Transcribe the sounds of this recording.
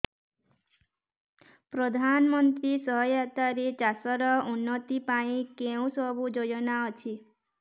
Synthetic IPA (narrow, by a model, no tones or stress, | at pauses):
pɾɔd̪ʱanmɔnt̪ɾisɔɦɔjat̪aɾit͡ʃasɔɾɔunːɔt̪ipaĩkeũsɔbud͡ʒojɔnaɔt͡ʃʰi